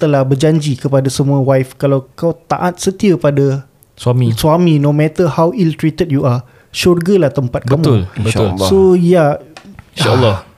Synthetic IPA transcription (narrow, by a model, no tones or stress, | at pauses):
t̪əlahbərd͡ʒaɲd͡ʒikəpadasəmũawajfkalawkawt̪a̰ʔat̪̚sət̪iapada | samiswamĩnõmɛ̃t̪əhawilt̪ɾit̪ət̚jua | ʃorɡalaht̪əmpat̪̚kamuləlsoja | alːɔ